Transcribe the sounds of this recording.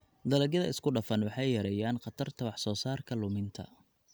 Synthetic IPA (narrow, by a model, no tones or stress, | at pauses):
d̪ɐlɐɡjɐðɐ̰ɪskʰʊɖɐfɐnwɑħɑjjɐɾɐjaːnqɑt̪ʰɐrt̪ʰɐwɑħsɔːsaːrkʰɐlʊmɪnt̪ʰɐ̰